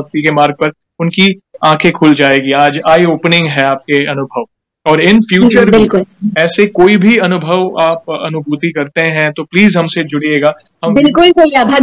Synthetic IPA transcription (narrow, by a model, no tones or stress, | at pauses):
ɐk̚t̪ikemaːɾɡ̚pɐɾ | ʊnkiãːkʰẽkʰʊːld͡ʒaːeːɡiaːd͡ʒaːioːpnɪ̃ŋɡɦɛ̃aːp̚keɐnʊbʱəʋ | ɔːɾɪnfʰjuːt͡ʃəɾbɪlkʊlɛːsekoːibʱiɐnʊbʱəʋaːp̚ɐ̰nʊbʱuːt̪ikɐɾt̪eɦɛ̃t̪opliːzɦɐ̃msed͡ʒʊɽieːɡaː | ɦɐ̃mbɪlkʊlkoiabʱa